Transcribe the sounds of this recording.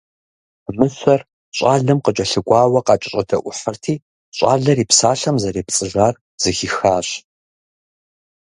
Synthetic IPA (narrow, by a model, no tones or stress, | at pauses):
mɨɕʷɐr | ɕʼaːɮɨmqət͡ʃʼɐɬɨɡʷaːwɐqɑːt͡ʃʼɪɕʼɐdʰɐʔʷʊħərtʰiː | ɕʼa̰ːɮɐriːpsaːɬɐmzɐɾeːpt͡sʼɨʒaːr | z̥ɨxixaːɕ